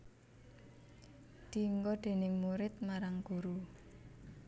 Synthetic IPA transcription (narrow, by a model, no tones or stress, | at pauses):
d̪̥i̤ŋɡɔd̪̥e̤nɪŋmuɾɪt̪̚maɾaŋɡ̥ṳɾu